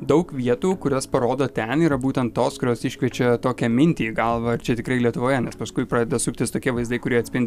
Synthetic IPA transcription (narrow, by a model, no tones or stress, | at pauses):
d̪ɐʊkʋʲiɛt̪uːkʊɾʲoːspɐɾoːd̪oːt̪ʲɛniːɾɐbuːt̪ʲɛnt̪toːskʊɾʲoːsɪʃʲkʲʋʲiɛt͡ʃʲɛt̪oːkʲɛmʲɪnʲt̪ʲiːɡɐlˠʋɐɐɾt͡ʃʲɛt̪ʲɪkɾɐɪlʲiɛt̪ʊʋoːjɛnʲɛspɐskʊɪpɾɐːd̪ʲɛd̪ɐsʊkʲt̪ʲɪst̪oːkʲiɛʋɐɪzd̪ɐɪkʊɾʲiɛɐt̪ʲsʲpʲɪnʲd̪ʲ